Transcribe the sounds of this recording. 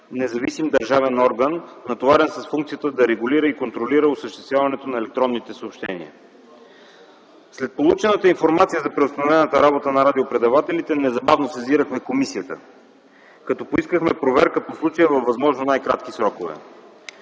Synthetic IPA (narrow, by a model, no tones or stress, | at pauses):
nɛzɐvisimd̪ɐɾʒavɛnɔɾɡənːɐt̪ovaɾɛnsɐsfuŋkt̪sijət̪əd̪ɐɾɛɡuliɾəikont̪ɾoliɾəosəʃt̪ɛst̪vʲjavɐnɛt̪onɐɛlɛk̚t̪ɾɔnːit̪ɛsoopʃt̪ɛ̰nḭə̰ | slɛt̪̚polˠut͡ʃɛnət̪əinfoɾmat̪sijəzɐpɾɛʊst̪ɐnovɛnət̪əɾabot̪ənɐɾad̪iopɾɛd̪ɐvat̪ɛlit̪ɛnɛzɐbavnosɛziɾəxmɛkomisiət̪ə̰ | kɐt̪ɔpoiskəxmɛpɾovɛɾkəposlˠut͡ʃəjəvɐfvːɐzmɔʒnonajkɾat̪k̟isɾɔkovɛ̰